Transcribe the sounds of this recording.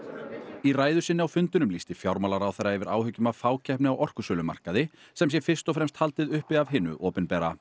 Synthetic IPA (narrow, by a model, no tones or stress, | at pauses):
iraːjðʏsɪnːɪawfʏnt̪ʏnʏmlist̪ɪ̥fjawɾmalaɾawθɛɾːaɛvɪɾaːwhʏcːʏmavfaːwcʰɛhpnɪawʔɔr̥kʏsœːlʏma̰r̥kaðɪ | sɛms̬jɛfɪr̥st̪ɔfɾɛmst̪halt̪ɪðʏhpɪðavɦɪnːʏ̰ʔɔːpɪnpɛːɾa